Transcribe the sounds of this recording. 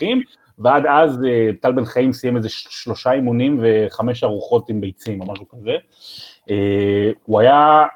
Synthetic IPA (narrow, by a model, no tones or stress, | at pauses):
χim | vead̪azebt̪albenχaimsijemezeʃʃlo̞ʃaimunimve̞χame̞ʃaʁuχo̞timbejt͡simomaʃukaze | eːuaja